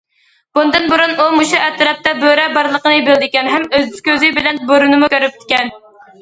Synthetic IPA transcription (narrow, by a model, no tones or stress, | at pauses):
b̥und̪ɨnbuɾunumuʃuʔɛt̪ɾɑp̚t̪ɛbøɾɛbɑɾlˠəqənɨbɪld̪ɪkʲɛnɦɛmøzkʲøzɪbɪlɛnboɾunɨmukʲøɾyp̚t̪ʰɪ̥kʲɛn